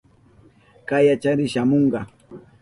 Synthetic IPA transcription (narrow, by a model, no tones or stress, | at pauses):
kajat͡ʃaɾɪʃamoɴɢɑ